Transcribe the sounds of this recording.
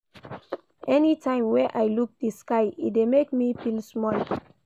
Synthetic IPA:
ʔɛnitʰãɪ̃mwɛ̃ʔajluk̚diskaɪḭtdemekmipĩlsmɔl

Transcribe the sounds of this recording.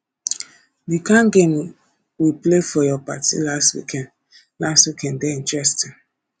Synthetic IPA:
dikãŋɡem | wiplefɔjɔpatḭlastwḭkɛ̃nd | lastwikɛ̃ndɛĩnt͡ʃɹɛstin

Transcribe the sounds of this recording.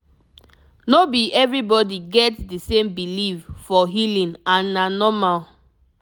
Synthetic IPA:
nobiʔɛvɹibɔdiɡɛtsdəsẽmbiliffɔɦilĩnãnːanɔmal

